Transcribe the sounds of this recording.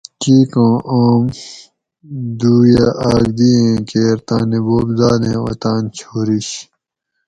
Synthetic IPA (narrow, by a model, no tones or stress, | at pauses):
kiːkõːʔoːm | d̪uːjaʔaːɡd̪iːẽːkeːɾt̪ãːneboːbzaːd̪ẽːo̰t̪aːnt͡ɕʰoːɾiɕ